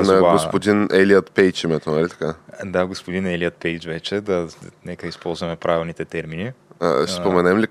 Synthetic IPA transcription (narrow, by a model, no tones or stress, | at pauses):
nɐaɡospod̪inɛliət̪pɛjt͡ʃimɛt̪onɐlʲit̪ɐ̥kad̪aɡospod̪inɛliət̪̚pɛjt͡ʃvɛt͡ʃɛd̪anɛkəispɔlˠzvɐmɛpɾavilˠnit̪ɛt̪ɛɾminiə̰spomɛnɛmli